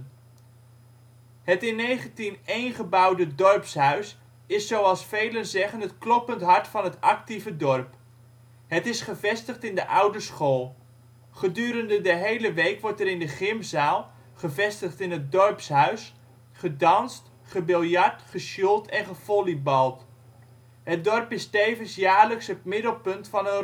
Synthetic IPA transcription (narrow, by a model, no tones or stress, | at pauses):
ɦətɪnːejχəntinejnχəbʌwdədɔrpsɦœɥs | ɪsːowɑlˠsfejlənzɛχənɦətklɔpəntɦɑɹtfɑnɦətɑk̚tivədɔɹp | ɦətɪsχəvɛstəχtɪndəʔʌwdəsχoːlˠ | χədyːɾəndədəɦejləʋejkʋɔɹtɛɾɪndəχɪmzaːlˠ | χəvɛstəχtɪnɦət̚dɔrpsɦœɥs | χədɑnst | χəbɪlˠjaɹtχəsulˠtʰɛnχəv̥olibɑlˠt | ɦət̚dɔrpɪstejvənsjaːɹləksɦət̚mɪdəl̩ˠpɵntfɑnø